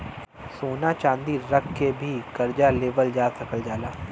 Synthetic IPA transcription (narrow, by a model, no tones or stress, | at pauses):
soːnat͡ʃãːnd̪iːɾəkʰːebʱiːkəɾd͡ʒaleːʋəld͡ʒaːsəkəld͡ʒaːlaː